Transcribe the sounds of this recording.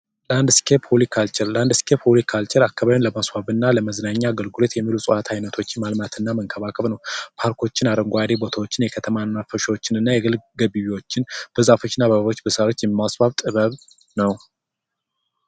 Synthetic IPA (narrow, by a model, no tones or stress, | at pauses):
land̪skʰepʰolikʰːalt͡ʃɪlːand̪skʰephulikʰːalt͡ʃɪlakːaβaβjnləmaswaβɨnːaləməznaɲːaɡəlɡɨlo̞t̪jɛmːilusʼɨʔat̪ʰajnət̪ʰo̞t͡ʃːɪnmalmat̪ʰɨnːaməŋkʰəβakʰəβnəwpʰaɾkʰo̞t͡ʃːɪnad̪əŋɡʷoad̪ebo̞t̪ʰawo̞t͡ʃːɪnjɛkʰət̪ʰəmanmafəʃəwot͡ʃːɪnɨnːajɛɡɨlɡəβiβiwo̞t͡ʃːɪnb̥əzafo̞t͡ʃːɪnːabəβaβo̞t͡ʃːbəsawo̞t͡ʃːjɛmːasbaβt̪ʼɨβəβ | nəw